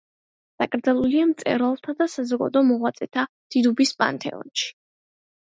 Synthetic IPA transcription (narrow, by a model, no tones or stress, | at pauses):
d̪̥akʼɾd̪zalˠuliamt̪sʼɛ̰ɾalˠt̪ʰad̪asazɔɡa̰d̪ɔmɔʁwat̪sʼɛt̪ʰa | d̪̥id̪ubispʼa̰nt̪ʰɛ̰ɔ̰nʃi̥